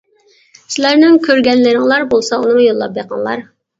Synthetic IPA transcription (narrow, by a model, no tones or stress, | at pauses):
sɪlæɾnɪŋkʲʰøɾɡʲɛnlɪɾɪŋlˠɑɾbolˠsɑunɨŋjolˠːɑ̰p̚beqʰɑ̰ŋlˠɑ̰ɾ